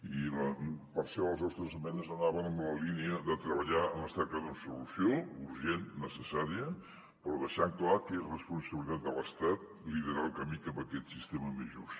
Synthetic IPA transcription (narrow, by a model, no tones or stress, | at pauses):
iləpəɾsɛəlˠzɔst̪ɾəzəmɛnəzənaβənəmbləliniəðət̪ɾəβəʎaəməst̪ɛɾkəðunsulusjouɾʒennəsəsaɾiə | pɾɔðəʃaŋklakerəspunsəβilit̪at̪̚d̪ələst̪at̪̚ | liðəɾalˠkəmikapbəkɛt̪sist̪eməmeʒus